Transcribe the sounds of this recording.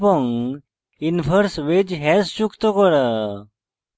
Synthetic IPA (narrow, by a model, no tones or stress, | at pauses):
pɔŋ | infʰəɾsʋed͡ʑɦɛsɕukt̪ɔkɔɾə